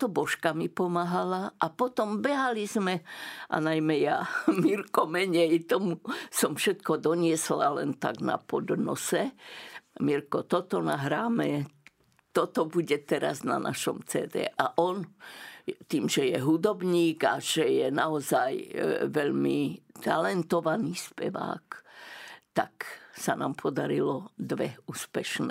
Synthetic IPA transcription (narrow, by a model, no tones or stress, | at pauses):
t̪ɔbɔʃkamipɔmaɦalaʔapɔt̪ɔmbɛɦalizmɛʔa̰najmɛjamiɾkɔmɛɲɛjt̪ɔmusɔmfʃɛt̪kɔd̪ɔɲɪɛsla̰lɛ̰nt̪a̰ɡna̰pɔd̪nɔ̰sɛ | miɾkɔt̪ɔt̪ɔnaɦɾaːmɛ | t̪ɔt̪ɔbuɟɛt̪ɛɾa̰zna̰nʔa̰ʃɔmt͡sɛ̰ːd̪ɛ̰ːʔaʔɔn | t̪iːmʒɛjɛɦud̪ɔbɲiːɡa̰ʒ̥ɛjɛnaɔzajʋɛʎmit̪alɛnt̪ɔʋaniːspɛ̰ʋa̰ːk | t̪a̰ksanaːmpʰɔd̪aɾilɔd̪ʋɛuːspɛʃnɛ